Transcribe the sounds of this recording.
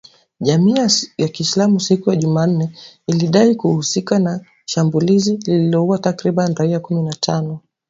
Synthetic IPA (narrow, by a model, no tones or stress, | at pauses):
ʄamiːjakiːslamusikujaʄuman̩nɛiliɗaikuhusikana | ʃambulizilililɔuwatakɾiɓaniɾaiakuminatʰanɔ